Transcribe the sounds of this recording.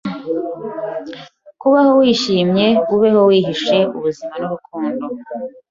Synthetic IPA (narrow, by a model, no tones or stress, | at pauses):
kuβaho̞wiːʃiːmɲe̞uβeho̞wiːɦiʃe̞ṵβuzimanuβukʰuːndo